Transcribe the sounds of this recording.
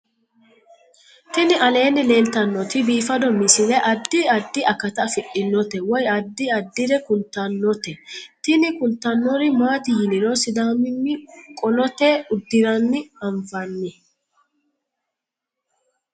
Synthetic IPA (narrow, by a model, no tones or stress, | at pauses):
t̪ɪnɪɐle̞ːnːɪle̞ːlt̪ɐnːɔt̪ɪbiːfɐd̪ɔmɪsɪlɛʔɐd̪ːɪɐd̪ːɪɐkɐt̪ɐfɪʔɪnːɔt̪ɛwɔjɐd̪ːɪɐd̪ːɪɾɛkʊnt̪ːɐnːɔt̪ɛt̪ɪnɪkʊnt̪ːɐnːɔɾɪmaːt̪ɪjɪnɪɾɔsɪd̪aːmɪmːɪkʼɔlɔt̪ɛʊd̪ːɪɾɐnːɪɐɱfɐnːɪ